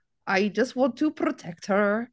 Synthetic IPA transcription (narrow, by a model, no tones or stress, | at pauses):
ʔaɪd͡ʒʌst̚wɑ̃ntʰɨpʰɹɔtʰɛk̚t̚hə˞